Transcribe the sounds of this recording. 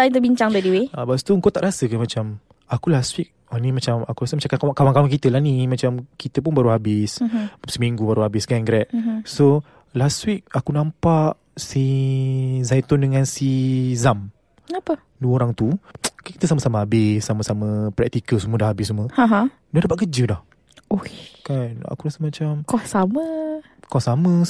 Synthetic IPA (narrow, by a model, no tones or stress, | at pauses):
t̪ait̪əbiɲt͡ʃaŋd̪adiweabast̪uəŋkot̪aʔɾasəkamãt͡ʃam | akulaswik̚ | animat͡ʃamakuɾasəmat͡ʃakakawakawaŋkawaŋk̬it̪əlanĩmãt͡ʃamkit̪əp̬ʊnbaɾuɦabɪssəmĩŋɡubaɾuɦabɪsɡanɡɾɛt̪̚so | laswik̚akunãmpaʔ | si | zajt̪ɔndəŋãnsizam | apə | duəoɾaŋt̪ukankit̪əsaməsamaɦabɪsːamasaməpɾɛk̚t̪ikəlsəmuədahabɪsəmuəhãɦã | dadap̬at̪̚kəd͡ʒədah | okana̰kuɾasəmãt͡ʃamkɔsamə | kɔssamə